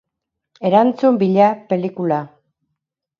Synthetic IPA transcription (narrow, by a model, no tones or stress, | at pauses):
e̞ɾant͡sumbiʎape̞likula